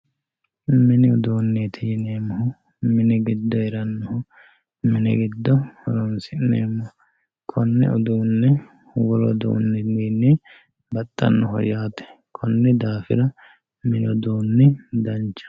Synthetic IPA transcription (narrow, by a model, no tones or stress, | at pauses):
mɪnɪɔd̪oːnːeːt̪ʰɪjɪneːmɔɦʊ | mɪnɪɡɪd̪ːɔɛɾɐnːɔhʊ | mɪnɛ̰ɡɪd̪ːɔhɔlɔnsɪnḛːmːɔ | kʰɔnːɛ̰ɔd̪uːnːɛ | wɔlɔd̪o̰ːnːɛniːnɛ | bɐt̪ʼːɐ̰nːɔhɔ̰jaːt̪ɛ̥ | kʰɔnːɛd̪aːfɪɾɐ | mɪnɪɔd̪uːnːɛd̪ɐnt͡ʃːɐ̥